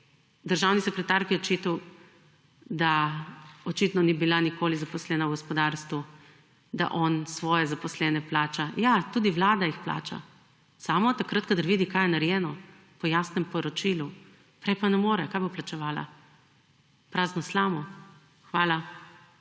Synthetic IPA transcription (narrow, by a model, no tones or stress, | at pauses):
d̪əɾʒaːwnisɛkɾɛt̪aɾkjɛɔt͡ʃit̪aw | d̪a | ɔt͡ʃit̪nɔnibilanikoːlizapɔslɛːnawɡɔspɔd̪aɾst̪ʋu | d̪a̰ʔɔnsʋɔːjɛzapɔslɛnɛplaːt͡ʃajat̪uːd̪iʋlaːd̪ajixpla̰ːt͡ʃa̰ | saːmɔt̪akɾət̪̚kad̪aɾʋiːd̪ikajɛnaɾjɛːnɔ | pɔjasnɛmpɔɾɔt͡ʃilu | pɾɛjpanɛmoːɾɛkajboplat͡ʃɛʋaːla̰ | pɾaːznɔslaːmɔ | xʋaːla